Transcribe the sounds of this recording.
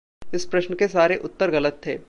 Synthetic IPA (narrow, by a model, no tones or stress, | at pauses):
ɪspɾɐʃnəkesaːɾeʔʊt̪ːəɾɣɐlət̪ʰːḛː